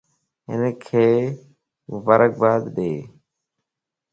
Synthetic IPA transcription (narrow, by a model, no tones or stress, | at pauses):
ɦɪ̰nekʰeː | mʊbaːɾək̚baːd̪ɗeː